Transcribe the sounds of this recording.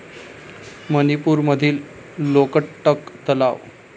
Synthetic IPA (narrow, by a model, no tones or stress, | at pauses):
mənipuːɾməd̪ʱiːlː | okəʈːəkt̪əla̰ʋ